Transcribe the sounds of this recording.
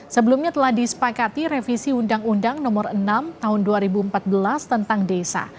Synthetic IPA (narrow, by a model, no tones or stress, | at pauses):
səbəlumɲat̪əlahdisə̥pakat̪iɾefisiundaŋundaŋnɔmɔrənamt̪aɦʊnduaɾibuəmpat̪̚bəlast̪ənt̪aŋdesa̰